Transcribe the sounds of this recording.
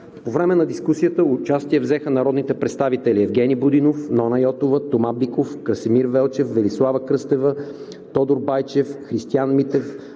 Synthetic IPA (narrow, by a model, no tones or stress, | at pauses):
povɾɛmɛnɐd̪iskusijət̪əʊt͡ʃast̪iɛvzɛxənɐɾɔd̪nit̪ɛpɾɛt̪st̪avit̪ɛliɛvɡʲɛnibʊd̪inofnɔnɐjɔt̪ovət̪omablikofkɾəsɛmiɾvɛlˠt͡ʃɛfvɛlislˠavəkɾɤst̪ɛvə | t̪ɔd̪oɾbajt͡ʃɛfxɾist̪ianmit̪ɛf